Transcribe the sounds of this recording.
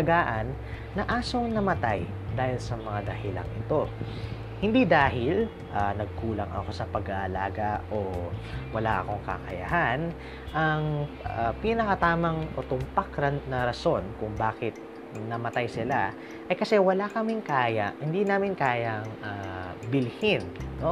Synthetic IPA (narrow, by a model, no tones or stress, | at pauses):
ɐɡaːʔɐnː | ɐʔaːso̞ŋnɐmɐt̪aj | d̪aːhɪlsɐmɐŋad̪ɐhɪla̰ŋʔɪt̪o̞ | hɪnd̪id̪aːɦɪl | ʔanɐɡ̚kuːlɐ̰ŋʔɐ̰ko̞sɐpɐɡaʔɐlaːɡɐʔowɐlaʔɐ̰ko̞ŋkɐ̰kɐ̰ja̰han | ʔɐŋ | apinɐkɐt̪aːmɐŋʔot̪ʊmpakɾɐnɐɾɐso̞nkʊŋbaːkɪt̪̚ | nɐmɐt̪ajsɪla | ʔɐjkɐsɛwɐlakɐmɪŋkaːjɐʔhɪnd̪inaːmɪnkaːjɐŋʔabɪlhɪnːo̞